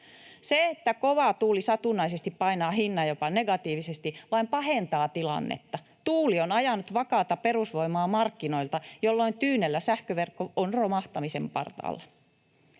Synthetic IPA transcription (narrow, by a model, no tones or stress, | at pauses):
seet̪ːækoʋɑt̪uːlisɑt̪unːˑɑisest̪ippɑinɑːhinːɑjopɑneɡɑt̪iːʋisest̪iʋɑimpɑhent̪ɑːt̪ilɑ̰nːḛt̪ːɑ | t̪uːlionɑjɑnut̪ʋɑkɑːt̪ɑperusʋo̞imɑːmɑrkːino̞ilt̪ɑjolːoint̪yːnelːæsæhkøʋerkːoonromɑht̪ɑmisempɑ̰rt̪ɑ̰ːlːɑ